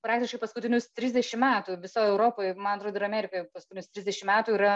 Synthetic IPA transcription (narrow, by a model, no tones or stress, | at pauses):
pɾɑːktʲɪʃkɐɪpɐskʊtʲɪnʲʊst̪ʲɾʲɪzʲd̪ʲɛʃʲɪmmʲæːt̪uːʋʲɪsoːjɛʊɾoːpoːjmɐnɐt̪ɾoːd̪oɪɾɐmʲæːɾʲɪkoːjpɐskʊt̪ʲɪnʲʊst̪ʲɾʲɪzʲd̪ʲɛʃʲɪmʲæːt̪uiːɾɐ